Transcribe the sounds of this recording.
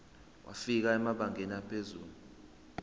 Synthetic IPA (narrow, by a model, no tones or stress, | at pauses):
wʔa̰fik̬aɛmaɓaŋeniapʰezuːlu